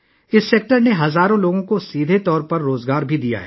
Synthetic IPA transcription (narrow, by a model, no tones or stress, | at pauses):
ɪsːeːk̚ʈəɾneɦɐzaːɾõloːɡõkosiːd̪ʱet̪ɔːɾpɐɾːoːzɡaːɾbʱid̪ija̰ɦɛ̰ː